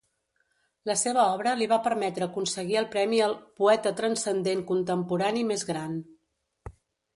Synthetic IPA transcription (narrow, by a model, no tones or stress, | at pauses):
ləseβ̞əɔβ̞ɾəliβ̞apəɾmɛt̪ɾəːkunsəɣiəlˠpɾɛmiəlˠpuɛt̪ət̪ɾənsənd̪eŋkunt̪əmpuɾanimezɣɾan